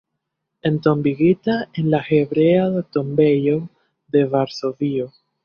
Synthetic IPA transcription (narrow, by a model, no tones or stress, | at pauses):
ent̪o̞mbiɣit̪aenlaxeβɾeaðet̪o̞mbejo | ðe̞vaɾso̞vio